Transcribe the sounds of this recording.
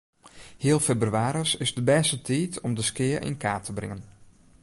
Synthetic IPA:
hɪəlˠfebryaːɾəsɪzdəbɛːstətʰiːtʰɔmdəskɪːərʔɪ̰nkaːtʰəbrɪ̰ŋən

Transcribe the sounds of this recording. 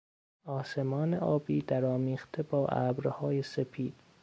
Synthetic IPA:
ɒːse̞mɒːneʔɒːbiːd̪æɾɒːmiːχt̪ʰebɒːʔæ̰ːbɾhɒːjesefʰiːd̪̥

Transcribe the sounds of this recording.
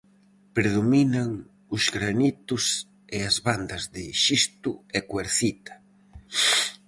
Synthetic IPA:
pɾeðominaŋ | ʊzɣɾanit̪ʊs | eɐzβand̪ɐzðɪʃist̪ʊɛkweɾθit̪ɐ̥

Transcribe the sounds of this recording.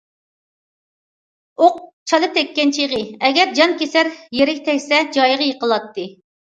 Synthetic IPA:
oq̚t͡ʃʰɑlˠɨt̪ʰɛkʲːɛnt͡ʃʰijʁɨɛɡʲɛɾd͡ʒɑnkʲesæɾjeɾɪkʲt̪ʰɛkʲsɛd͡ʒɑjʁɑjeqəlˠɑt̪ːɨ

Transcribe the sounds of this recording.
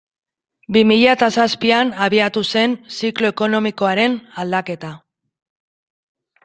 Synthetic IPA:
bimiʎat̪asaspianaβiat̪use̞nsiklo̞eko̞no̞miko̞aɾe̞nald̪ake̞t̪a

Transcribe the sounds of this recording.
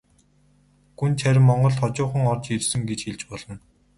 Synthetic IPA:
ɡunt͡ɕʰæɾ̆ʲmːɔɴɢɞ̆ɮt̪ʰɔt͡ɕʊːχə̆ŋɔrt͡ɕirsɘ̆ŋɡet͡ɕxeɮt͡ɕpɔɮɞ̆n

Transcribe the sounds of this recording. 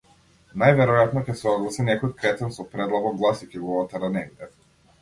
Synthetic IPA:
najvɛɾɔjat̪nɔcɛsɔɡlˠasinɛkɔjt̪kɾɛt̪ɛnsɔpɾɛd̪lˠaɡɔɡlˠasikiɡɔat̪aɾanɛmd̪ɛ

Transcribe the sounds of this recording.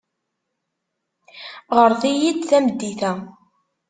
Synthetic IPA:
ʁəɾθijid̪θæmd̪ːiθæ

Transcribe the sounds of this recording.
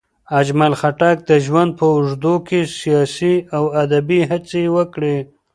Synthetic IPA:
ad͡ʒmalxaʈak̚d̪əʒwand̪̚pəʊʐd̪okesijɑsiawad̪abiɦat͡sewəkɽe

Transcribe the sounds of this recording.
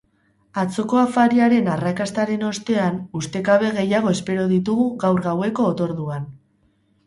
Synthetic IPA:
at͡so̞ko̞afaɾiaɾe̞narakast̪aɾe̞no̞st̪e̞anust̪e̞kaβe̞ɣe̞jaɣ̞o̞e̞spe̞ɾoðit̪uɣ̞uɣawɾɣawe̞ko̞ːt̪o̞ɾðuan

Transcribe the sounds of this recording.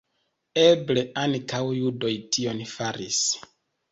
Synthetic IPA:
e̞ble̞ʔankawjudo̞jtio̞nfaɾis

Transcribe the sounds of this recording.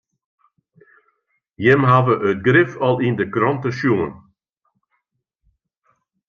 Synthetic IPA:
jɛmɦavəʔœt̚ɡɾɪfɔlˠɪnd̪əkɾɔnt̪əʃjuːn

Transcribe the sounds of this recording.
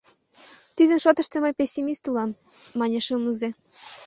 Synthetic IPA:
t̪id̪ə̆nʃot̪ə̆ʃt̪ĕməjpesʲːimist̪ulɑmː | ɑnʲeʃəmləze

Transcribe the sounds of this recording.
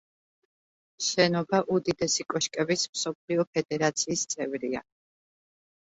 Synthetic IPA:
ʃɛnɔbaʔud̪id̪ɛsikʼɔʃkʼɛbismsɔp̚ʰliɔpʰɛd̪ɛɾat̪sʰiːst̪sʼɛvɾia̰

